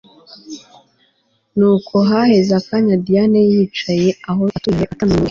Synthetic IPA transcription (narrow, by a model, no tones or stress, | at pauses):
nuːkʰoɦahe̞zakaɲadianejiːt͡ʃajeaɦoatueʔatana